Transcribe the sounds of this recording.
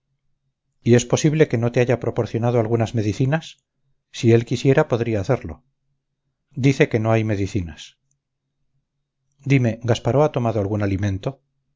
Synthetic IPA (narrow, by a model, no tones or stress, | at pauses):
ie̞spo̞siβle̞ke̞no̞t̪eaʝapɾo̞po̞ɾθjo̞nað̞oalɣunazme̞ðiθinasː | ie̞lkisje̞ɾapo̞ðɾiaːθe̞ɾlo̞̰ | d̪iθe̞ke̞no̞ajme̞ðiθinas | d̪ime̞ɡaspaɾoat̪o̞maðoalɣunalimẽ̞nt̪o̞